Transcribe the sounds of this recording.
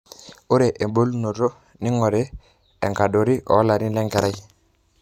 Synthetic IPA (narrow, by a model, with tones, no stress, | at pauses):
o˦ɾe˨ʔe˨bo˦lu˦no˨ɾo˦ | ni˦ŋo˨ɾe˦ | e˨ŋka˨do˨ɾi˦ʔo̰˨˦la˨ni˦le˦ŋɡe˨ɾa˦j